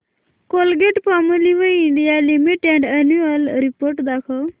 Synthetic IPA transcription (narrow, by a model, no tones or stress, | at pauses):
kolɡeʈpaməliʋəiɳɖijalimiʈɛ̃ɳɖənuəlɾipoɾʈd̪akʰəw